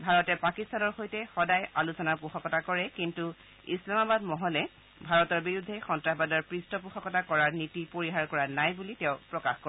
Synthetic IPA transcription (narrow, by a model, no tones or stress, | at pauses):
bʱaɹɔtɛpakistanɔɹxojtɛxɔdajalusɔnaɹpuxɔkɔtakɔɹɛkintu | islamabadmɔɦɔlɛ | bʱaɹɔtɔɹbiɹudʱːɛxɔntɹaxbadɔɹpɹistɔpuxɔkɔtakɔɹaɹnitipoɹiɦaɹkɔɹanajbulitɛʊ̃pɹɔkaxkɔ